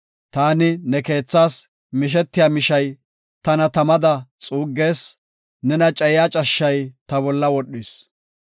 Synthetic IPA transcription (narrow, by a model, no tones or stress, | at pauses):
t̪aːnɪnɛke̞ːt͡sːaːs | mɪʃ̬ɛt̪ːɪjaːmɪʃɐj | t̪ɐnɐt̪ɐmɐd̪ɐt͡sʼuːɡːe̞ːs | nɛnɐt͡ʃʼɛjjaːt͡ʃʼɐʃːɐjt̪ɐbɔlːɐwɔɗːɪs